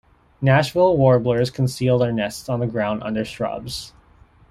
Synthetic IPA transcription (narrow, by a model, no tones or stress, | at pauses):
næʃwl̩ˠwɔɹblə˞z̥kʰnsilˠdðə˞nɛstsn̩ðəɡɹãʊ̃ndʌ̰̃ndə˞stɹ̥ʌ̰bz̥